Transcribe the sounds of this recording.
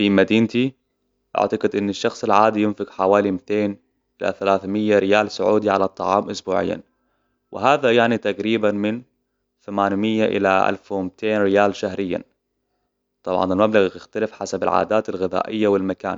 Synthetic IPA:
fimad̪iːnt̪i | ʔa̰ʕt̪aɡɪd̪ʔɪnːaʃːɑxsˤɪlʕaːd̪ijɪnfɪɡħawaːlimɪt̪eːn | ʔɪla̰θalaːθmɪjːaɾɪjaːlsʊʕuːd̪iʕa̰lɑt̪ˤːɑ̰ʕɑ̰ːmʔʊsbṵːʕɪ̰jːa̰n | wʔɪɦaːðajaʕnit̪aqɾiːbanmɪn | θamaːnmɪjːaʔɪ̰laʔa̰lfwɪmt̪eːnɾɪjaːlʃahɾɪjːa̰ | t̪ˤɑbʕɑ̰nalmablaɣjɪxt̪alɪfħasabalʕa̰ːd̪aːt̪alɣɪða̰ːʔɪjːawɪlmaka̰ːn

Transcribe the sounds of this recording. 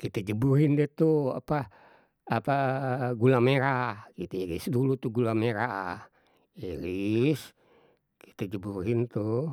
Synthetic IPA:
kit̪ad͡ʒəbuɾindɛt̪ua̰pa | apaɡulameɾakit̪aiɾḭsdulut̪uɡulameɾa | iɾis | ki̥t̪ad͡ʒəburint̪u

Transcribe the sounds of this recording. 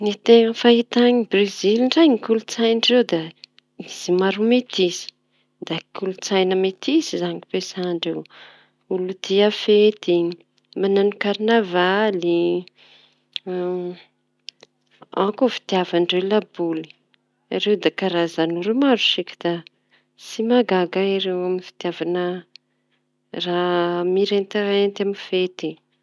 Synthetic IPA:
nit̪eŋəfait̪aɲibriziliɳɖ͡ʐajŋikʲulut͡sajnɖ͡ʐirewd̪a | iz̥imaɾumet̪izi̥ | d̪akʰʲulut͡sajnəmet̪ʰisizaŋipesaɳɖ͡ʐew | ulut̪iafet̪i | mananukaɾnavali | akofi̥t̪javanɖ͡ʐewlabuli̥ | a̰ɾewd̪akaɾazanuɾumaɾusikʲi̥d̪̥a | simaɡaɡaaɾewamifi̥t̪iavanə | ramiɾent̪aɾeent̪amifet̪i

